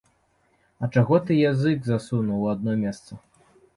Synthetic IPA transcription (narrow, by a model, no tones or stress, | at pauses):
ɐt͡ʂaɣɔt̪ɨjazɨkzasunɐwad̪̚nɔmʲɛst̪sɐ